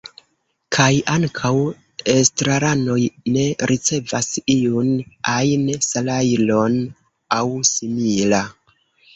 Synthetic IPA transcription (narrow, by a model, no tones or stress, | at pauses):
kʰajaŋkʰaw | estɾaɾano̞jne̞ɾʔit͡se̞vasiunajnsalajlo̞n | awsimila